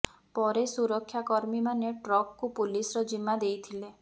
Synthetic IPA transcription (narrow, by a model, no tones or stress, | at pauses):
pɔɾesuɾɔkʰːjakɔɾmimaneʈɾɔkkupulisɾɔd͡ʒimːad̪ejt̪ʰile